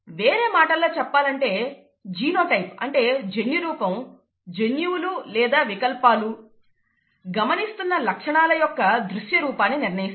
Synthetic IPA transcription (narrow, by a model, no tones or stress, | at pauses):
ʋeːɾe̞ːmaːʈɐlo̞ːt͡ʃɛpːaːlɐɳʈe̞ː | d͡ʒiːno̞ːʈɐjp̚ɐ̰ɳʈe̞ːd͡ʒenjuɾuːpɐm | d͡ʒenjuululɛːd̪aːʋikɐlpaːlu | ɡɐmɐnist̪unːɐlɐkʂɐɳaːlɐjɔkːɐd̪ɾuʃjɐɾuːpaːnːiniɾnɐjis